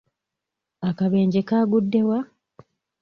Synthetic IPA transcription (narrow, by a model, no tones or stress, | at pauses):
akaβe̞ːɲɟekaːɡudːe̞wa